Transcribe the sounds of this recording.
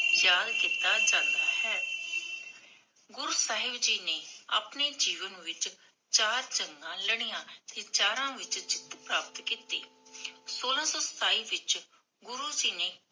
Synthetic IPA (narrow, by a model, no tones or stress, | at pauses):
jaːd̪kiːt̪aːd͡ʒãːnd̪aːhɛː | ɡʊɾuːsaːɦɪbd͡ʒiːneːa̰ːpneːd͡ʒiːʋənʋɪt͡ʃ | t͡ʃaːɾt͡ʃəŋɡãːləɽ̃ijãːt̪eːt͡ʃaːɾãːʋɪt͡ʃt͡ʃɪ̥t̪pɾaːpət̪kiːt̪ḛːsoːlãːsɔːst̪aːiːʋɪt͡ʃ | ɡʊɾuːd͡ʒiːneː